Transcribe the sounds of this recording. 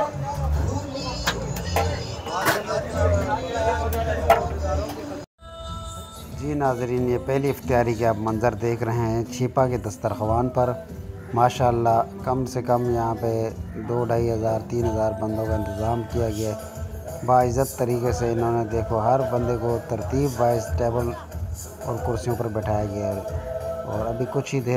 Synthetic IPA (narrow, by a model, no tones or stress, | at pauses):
d͡ʒiːnaːzɾiːnjepɛɦliɪft̪ijaːɾikeaːpmɐ̃nzəɾd̪eːkʰɾɐɦẽɦɛ̃t͡ʃʰiːpaked̪ɐst̪əɾxɐʋaːnpɐɾ | maːʃaːlːakɐmsekɐmjɐɦãped̪oːɖʱaːiɦɐzaːɾt̪iːnɦɐzaːɾbɐ̃nd̪õkaɪ̃nt̪ɪzaːmkijaɡɐjaː | baːɪzːət̪ːɐɾiːkeseɪnɦõːned̪eːkʰoɦɐɾbɐ̃nd̪ekot̪ɐɾt̪iːbʋaːɪsʈeːbəl | ɔ̰ːɾkʊɾsijõpɐɾbɛʈʰaːjaɡɐja | ɔːɾɐbʱikʊt͡ʃʰɦid̪eː